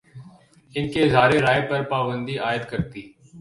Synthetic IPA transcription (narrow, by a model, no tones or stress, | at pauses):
ɪnkezʱaːɾeɾaːepəɾpaːbə̃nd̪iːʔaːjɪət̪kəɾt̪iː